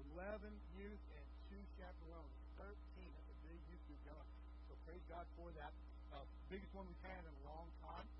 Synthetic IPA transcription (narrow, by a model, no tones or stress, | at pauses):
əlɛvɨ̃njɪɹzɨ̃ntʰʉt͡ʃʰæp̚tə˞wʌ̃n | θɜ˞tʰĩnʌvðɨbɪɡjʉjɨɡoʊ̃ | soʊpʰɹ̥eɪzɡɑd̥fə˞ðɨt̚ | ʌ | bɪɡɨst̚wʌ̃nwi̥ɨɾɨ̃nəlɔ̃ŋtʰãɪ̃m